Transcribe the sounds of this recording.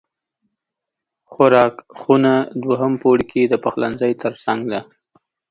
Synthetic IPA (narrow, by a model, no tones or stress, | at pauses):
xʊɾɑkxunad̪waɦəmpoɽkʰed̪əpaxla̰nzəjt̪əɾsaŋɡd̪a